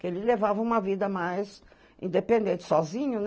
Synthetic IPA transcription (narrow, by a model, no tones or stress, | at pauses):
kelɪlevavɐũmɐvid̪ɐmajz | ḭ̃nd̪epẽnd̪ẽnt̪ɪ̥sɔzĩɲʊn